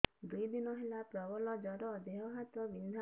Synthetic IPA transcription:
d̪ujd̪inɔɦelapɹɔbɔlɔd͡ʒɔɾɔd̪eɦɔɦat̪ɔbind̪ʱa

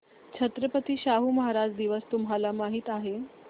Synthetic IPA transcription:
t͡ɕʰət̪ɾəpət̪iːɕaɦuməɦaɾad͡zd̪iʋəst̪umɦalamaɦiːt̪aɦe

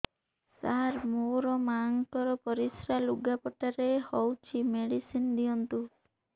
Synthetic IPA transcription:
saɾmoɾɔmaŋkɔɾɔpɔɾisɾaluɡapɔʈaɾehɔwt͡ʃʰimeɽisind̪iɔnt̪u

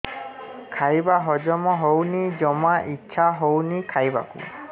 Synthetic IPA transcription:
kʰajbaɦɔd͡ʒɔmɔɦownid͡ʒɔmaʔitːʃʰaɦownikʰajba̰kṵ

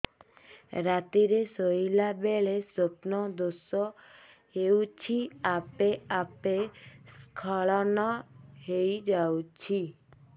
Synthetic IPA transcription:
ɾat̪iɾesoilabeɭesopnɔd̪osɔ | ɦewt͡ʃʰiapeapeskʰɔɭɔnɔɦejd͡ʒawt͡ʃʰi

